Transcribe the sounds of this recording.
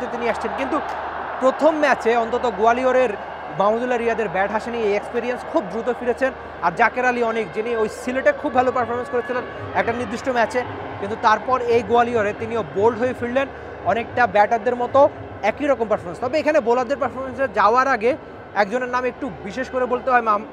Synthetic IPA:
t̪et̪iniaʃt͡ɕʰenkint̪u | pɾot̪ʰomːɛt͡ɕeɔnt̪ot̪oɡoalioɾeɾ | mamod̪ulːaɾiad̪eɾbɛʈɦaʃeniejekspiɾienskʰub̚d̪ɾut̪ofiɾet͡ɕʰen | aɾd͡ʑakeɾaliɔnekd͡ʑiniojsileʈekʰubʱalopaɾfʰoɾmenskoɾet͡ɕʰilen | ɛk̚ʈaniɾd̪iʃʈomɛt͡ɕe | kint̪ut̪aɾpɔɾejɡoalioɾet̪iniobolɖɦojefiɽlen | ɔnek̚ʈabɛʈad̪eɾmɔt̪o | ɛkiɾɔkompaɾfoɾmenst̪ɔbeekʰanebolad̪ːeɾpaɾfoɾmensed͡ʑaoaɾaɡe | ɛk̚d͡ʑoneɾnamek̚ʈubiʃeʃkoɾebolt̪eɦɔema

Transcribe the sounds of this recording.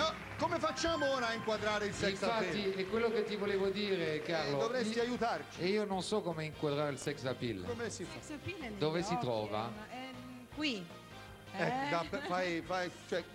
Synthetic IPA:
ɔ | komefat͡ʃːaːmooːɾaːiŋkwad̪ɾaːɾeilsɛiɱssafait̪ːiekːwelːoket̪ːivoleːvod̪iːɾekaɾlod̪ovɾɛsiajut̪art͡ʃi̥eiːononsɔkːomeiŋkwad̪ɾaːɾeilsɛksapḭlkomesifad̪oːvesit̪ɾɔːva̰ | kwi | ɛkːd̪afajfajt͡ʃoɛ

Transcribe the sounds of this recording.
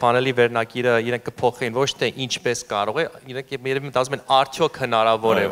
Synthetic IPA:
fɑnɛlivɛɾnɑɡiɾəiɾɛŋkʰːəpʰɔχɛjinvɔt͡ʃʰt̪ʰɛʔint͡ʃʰpɛskɑɾɔʁɛiɾɛŋkʰjɛɾɛvimət̪ɑt͡sumɛnɑɾt͡sʰjɔkʰhənɑɾɑvɔɾɛ

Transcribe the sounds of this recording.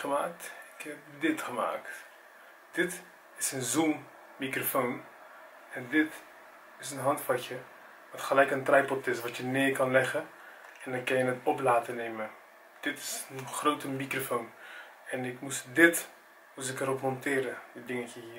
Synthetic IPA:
χəmaːk̚tɪkhɛp̚dɪtχəma̰ːkt | d̥ɪt | ɪsənzumː | ikrofoːn | ɛndɪt | ɪsənɦɑntfɑcə | ʋɑtχəlɛjkəntrɛjpɔtɪs̬ʋɑtjənɪːkɑnlɛχə | ɛndɑnkɑnjənətɔplaːtəneːmə | d̥ɪtɪ̥sənχrowtəmikrofown | ɛnɪkmusdɪt | mus̬ɪkəɾɔpmɔntɪːɾədədɪŋəcəɦiː

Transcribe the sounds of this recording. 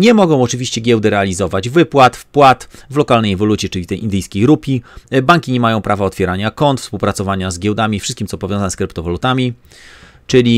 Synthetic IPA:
ɲɛmɔɡɔ̃w̃ɔt͡ʂɘvʲiɕt͡ɕɛɡʲɛwd̪ɛɾɛalʲizɔvad͡ʑvɘpwat̪fpwat̪vlɔkalnɛjɛvɔlut͡ɕʲɛt͡ʂɘlʲit̪ɛjʔḭnd̪ɘjskʲejɾupʲibaŋkʲiɲɛmajɔ̃w̃pɾavaɔt̪fʲjɛɾaɲakɔnt̪fspuwpɾat̪sɔvaɲazɡʲɛwd̪amʲifʂɘs̚kʲimt̪sɔpɔvʲjɔ̃zaɲɛskɾɘpt̪ɔvɔlut̪amʲi | t͡ʂɘlʲi

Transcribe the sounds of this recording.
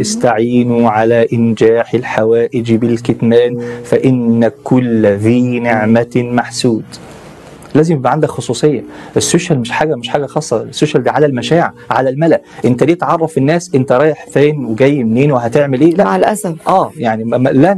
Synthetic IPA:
ɪst̪aʕiːnuʕalæʔɪnd͡ʒæːħelħawæːʔɪd͡ʒbɪlket̪mæːnfæʔɪnːækːʊlːfiːneʕmæmaħsuːd̪ | læːzɪmbæʕand̪ækxosˤuːsˤejːɑ̰ʔesːoːʃælmeʃħaːɡæmɪʃħaːɡæxɑːsˤːɑsːoːʃæld̪æːʕalælmæʃæːʕʕʕalælmælæʔʔent̪æd̪iːt̪ʕɑrˤːɑfenːæːsʔent̪æɾˤɑːjeħfæːnweɡæjːmneːnwehæt̪eʕmelʔeːlæʔlʔæsæfʔæːjaʕnilæ

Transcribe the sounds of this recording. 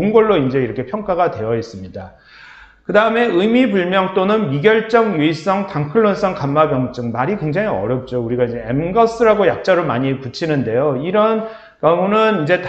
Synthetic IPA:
oɯnɡʌɭːoind͡ʑe̞iɾʌkʰe̞pʰjʌŋk͈aɡadwe̞jʌis͈ɯmɲida | kɯdaɯme̞ɯmibuɭmjʌŋt͈onɯnmiɡjʌɭt͡ɕ͈ʌŋjuis͈ʌŋtaŋkʰɯɭːons͈ʌŋkamːabjʌŋt͡ɕ͈ɯŋmaɾikwe̞ŋd͡ʑaŋiʌ̰ɾjʌp̚t͡ɕ͈ouɾiɡaiɲd͡ʑe̞emɡʌs͈ɯɾaɡojak̚t͡ɕ͈aɾoɭmaɲiput͡ɕʰinɯnde̞joiɾʌn | kjʌmonɯnind͡ʑe̞t

